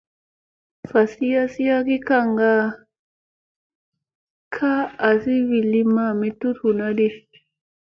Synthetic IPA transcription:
fa˨si˦ja˦si˦ja˦ki˦ka˦˨ŋɡa˦ | kʰaː˦˨si˦βi˨li˦ma˨mi˦t̪u˦ɾhu˨na˦di˦

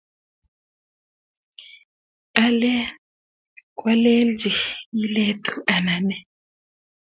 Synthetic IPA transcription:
a˨lɛ˦ | kʼwa˦le˦ld͡ʒi˨i˦le˦tʰu˨ʔa˨na˨nɛ˨

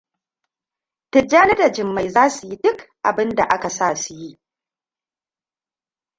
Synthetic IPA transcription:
tɪ˨d͡ʒaː˦nɐ˦da˨d͡ʒɪ˨mːa˨jzaː˦su˨ji˦dʊ˦kʔa̰˨bɪ˦nda̰˨ʔa˦ka˨saː˦˨su˨ji˦ʔ

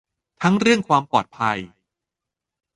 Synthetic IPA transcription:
t̪ʰa˦˥ŋɾɯ˥˩əŋkʰwaː˧mpɔː˨˩t̪̚pʰa˧j

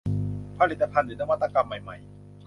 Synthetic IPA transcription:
pʰa˧li˨˩t̪̚ːa˧pʰa˧ndɯː˨˩˦na˧wa˧t̪ːa˧ka˧mːa˨˩jma̰˨˩j

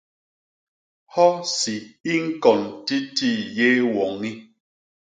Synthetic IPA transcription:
hɔ˦si˨i˦ŋ̩˦kɔ˨nti˦ti˦˨je˦wɔ˨ŋi˦

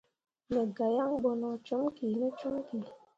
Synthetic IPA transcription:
ne˨ɡa˨ja˦ŋ̩˦ɡ͡bɔ˨nɔ˨t͡ʃu˦m˦ki˨ne˦t͡ʃu˦m˦ki˨

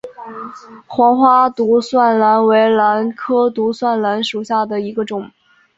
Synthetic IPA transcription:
xwɑ˧˥ŋxwa˥t̪u˧˥swa˥˩nla˧˥nwe˧˥ɪla˧˥nkʰɤ˥t̪u˧˥swa˥˩nla˧˥nʂu˨˩ɕja˥˩d̪ə˩i˧˥ɡə˧ʈ͡ʂʊ˨˩˦ŋ

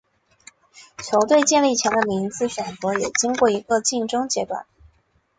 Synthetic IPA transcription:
t͡ɕʰjo˧˥ʊt̪we˥˧ɪt͡ɕjɛ˥˧nli˥˩t͡ɕʰjɛ˧˥nd̪ə˧mi˧˥nd͡zɹ̩˧ɕɥɛ˨˩nt͡sɤ˧˥jɛ˨˩t͡ɕi˥ŋkwɔ˥˩i˧˥ɡə˧t͡ɕi˥˩ŋʈ͡ʂɤ˥ŋt͡ɕjɛ˧˥t̪wa̰˨˩˦

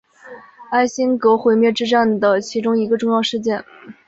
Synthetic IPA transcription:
a˥˩ɪɕi˥nkɤ˧˥xwe˧˥ɪmjɛ˥˧ʈ͡ʂɻ̩˥˧ʈ͡ʂa˥˩nd̪ə˩t͡ɕʰi˧˥ʈ͡ʂʊ˥ŋi˧˥ɡə˧ʈ͡ʂʊ˥˧ŋjɑ˥˧ʊʂɻ̩˥˧t͡ɕjɛ˥˩n

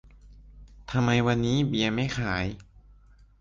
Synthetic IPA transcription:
t̪ʰa˧mːa˧jwa˧nːiː˦˥bi˧ɐma˥˩jxʰaː˩˦j

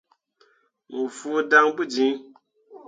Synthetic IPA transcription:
mu˨fu˦da˦ŋbu˦˨d͡ʒi˨˦

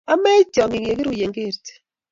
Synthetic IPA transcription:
a˦mɛ˦d͡ʒɔ˨ŋi˨ŋe˨ke˦ɾu˨je˨ŋɡe˦˨ɾt

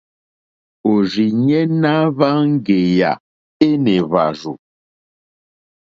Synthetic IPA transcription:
o˨zi˨ɲɛ˦na˦βa˦ŋ̩˦ɡe˨ja̰˨ | e˦nɛ˨βa̰˨zu˨

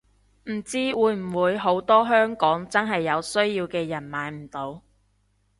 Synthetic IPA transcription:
m̩˨˩t͡siː˥wuː˨˧˥jm̩˨˩wuː˨˧jɦo˨˥wt̪ɔː˥ɦœː˥ŋkɔː˨˥ŋt͡sɐ˥nɦɐ˨jːɐ˨˧wsɵ˥ɥjiː˧wkɛː˧jɐ˨˩nmaː˨˥jm̩˨˩t̪o˨˧w

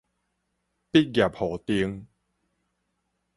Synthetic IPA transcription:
pi˦˥t̚ɡja˨˩p̚hɔ˨˩t̪i˧əŋ

